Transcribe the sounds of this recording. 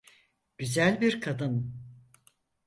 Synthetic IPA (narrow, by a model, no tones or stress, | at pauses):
ɟ̥yzælʲbiɾkʰad̪ɯn